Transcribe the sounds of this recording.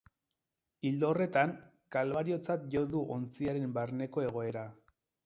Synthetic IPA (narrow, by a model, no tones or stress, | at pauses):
ild̪o̞re̞t̪aŋ | kalβaɾio̞t͡sat̪ʝo̞ðuʔo̞nt͡siaɾe̞mbarne̞ko̞e̞ɣ̞o̞e̞ɾa